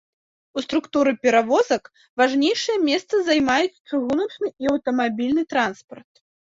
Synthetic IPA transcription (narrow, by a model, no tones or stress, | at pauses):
ust̪ɾukt̪uɾɨpʲɛɾavɔzɐk | vaʐnʲejʂɨjɐmʲɛst̪sɐzajmajut͡sʲt͡ʂɨɣunɐt͡ʂnɨiɐwt̪ɐmabʲilʲnɨt̪ɾanspɐrt̪̚